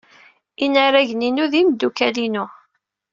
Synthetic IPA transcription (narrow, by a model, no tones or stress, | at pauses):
inaɾæʝninuðimd̪ːukælinʊ